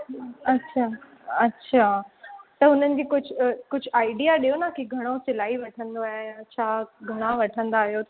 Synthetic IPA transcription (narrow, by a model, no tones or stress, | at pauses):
ɐtːɕʰa | ɐtːɕʰat̪ɐɦʊn̤ənɪ̆d͡ʑiːkʊd͡ʑʱʊkʊd͡ʑʱʊʔaːɪɖijaɗiɦonakiɡʱɐɽ̃osɪlaːiʋɐʈʰə̃nd̪oaːɦeɐt͡ɕɕʰaɡʱɐɽ̃ãʋɐʈʰə̃nd̪aːɦijot